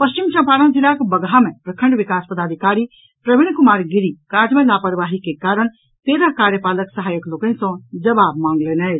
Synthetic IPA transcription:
pəst͡ʃimt͡ʃʰə̃paːɾə̃nd͡ʒilakbəɡɦamẽpɾəkʰə̃ɳɖʋikaspəd̪aːd̪ʱikaːɾi | pɾəbiɽ̃kumaːɾɡiɾikaːd͡ʒmẽlapəɾʋaɦikekaːɾəɳ̃ | t̪eːɾaɦkaɾjəpaːləksəɦaːjəkloːkənsɔ̃d͡ʒəbab̚mãŋɡlenə

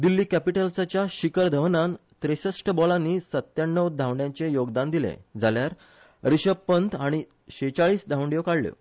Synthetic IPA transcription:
d̪ilːiːkæpiʈəlsat͡ɕjaɕikəɾd̪ʱəʋnant̪ɾeɕəsʈəbɔlanːiːsət̪ːjaɳːəwd̪ʱãʋɳɖjãɲt͡sejoɡd̪and̪ilḛd͡zʱaljaɾ | ɾiɕəppːənt̪aɽ̃i | ɕet͡ɕaɭiːsd̪ʱawɳɖjokaɽlə̰ː

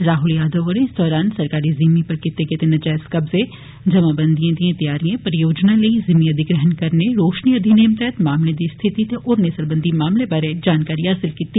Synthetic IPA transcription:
ɾaːɦʊljaːd̪əʋɐɽẽɪsd̪ʱɔːɾaːnsɐɾkaːɾizimipɐɾkɪt̪ːeket̪enɐd͡ʒaːskɐbzẽ | d͡ʒɐmabɐ̃nd̪ʱijãd̪iãt̪ɐjaːɾijãpɐɾɪjoːd͡ʒnaleizɪmiɐd̪ʱɪɡɾəɦənkɐɾneɾoːʃniɐd̪ʱineːmt̪ɛɦt̪maːmled̪ist̪ʰɪt̪it̪ʰeʔɔːɾnesɐɾbə̃nd̪ʱimaːmlebaɾed͡ʒaːnkaːɾiɦaːsɪlkiːt̪iː

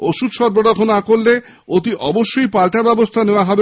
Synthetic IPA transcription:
oʃud̪ʃɔɾboɾakʰonakolːe | ot̪̬iʔɔboʃːojpalʈ̪abɛbost̪ʰaneoaɦɔbe

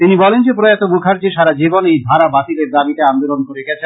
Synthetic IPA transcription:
t̪inibɔlend͡ʑepɾoat̪omukʰaɾd͡ʑeʃaɾad͡ʑibonejbʱaɾabat̪ileɾd̪abit̪aand̪olonkoɾeɡɛt͡ɕʰe

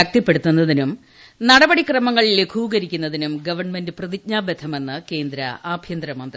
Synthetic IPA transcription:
ɐk̚t̪ɐpːeɽut̪ːunːɐðinum | nɐɽɐbɐɽikrɐmɐŋːɐɭilekʰuːɡɐɾikʲːunːɐðinumɡɐʋɐrɳme̞ndɨprɐðik̚ɲaːbed̪ʰʱɐme̞nːɨke̞ːnd̪ɾɐ̰ʔaːbʱjɐnd̪ɾɐmɐnd̪r

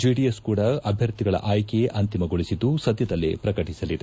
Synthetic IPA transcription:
d͡ʒiɖieskuːɽɐɐbʱjɐɾt̪iɡɐɭɐ̰ʔaːjkeʔɐnt̪imɐɡoɭisid̪ːusɐd̪jɐd̪ɐlːḛpɾɐkɐʈisɐlid̪e

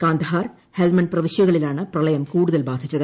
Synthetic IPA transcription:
kaːnd̪ɐɦaːr | helmɐnprɐʋiɕjɐɣɐɭilaːɳɨprɐlɐjɐmkuːɽuðɐlbaːd̪ʱit͡ɕːɐðɨ

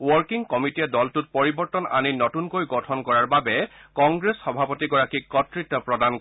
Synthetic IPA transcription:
wɔɹkiŋkɔmitiɛdɔltut̚pɔɹibɔɹtɔna̰ninɔtunkojɡɔtʰɔnkɔɹaɹbabɛkɔŋɡɹesxɔbʱapɔtiɡɔɹakikɔtɹitːɔpɹɔdan

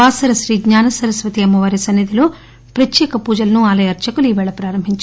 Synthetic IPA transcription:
aːsɐɾɐʃɾiːɡɲaːnɐsɐɾɐsʋɐt̪iɐmːɐʋaːɾisɐnːid̪iloː | pɾɐt̪jɛːkɐpuːd͡ʒɐlɐnuaːlɐjɐɾt͡ʃɐkuliːʋɛːɭɐpɾaːɾɐmbʱiɲt͡ʃ

